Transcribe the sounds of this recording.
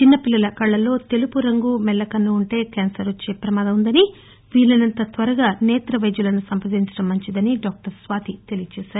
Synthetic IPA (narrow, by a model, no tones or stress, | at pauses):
t͡ʃinːɐpilːɐlɐkɐɭːɐlo̞ːt̪e̞lupuɾɐŋɡumɛlːɐkɐnːuːɳʈe̞ːkaːnsɐɾot͡ʃːe̞ːpɾɐmaːd̪ɐmund̪ɐni | ʋiːlːɐnɐnt̪ɐt̪ʋɐɾɐɡaːnɛːt̪ɾɐʋɐjd͡ʒulɐnusɐmpɐd̪iɲt͡ʃɐɽɐmːɐɲt͡ʃid̪ɐniɖaːk̚ʈɐɾsʋaːt̪it̪e̞lijɐt͡ʃɛːsaːɾu